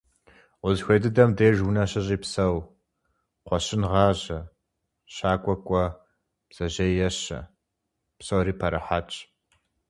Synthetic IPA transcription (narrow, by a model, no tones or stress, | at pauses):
wʊzxʷejdɨdɐmdeːʒwʊnɐɕɐʑiːpsɐw | qʷɔɕɪnʁɑːʑɐ | ɕaːkʷʼɔkʷʼɔ | b̥z̥ɐʑɐjɐɕɐ̰ | psɐwriːpʰɐɾɐħat͡ʃʼ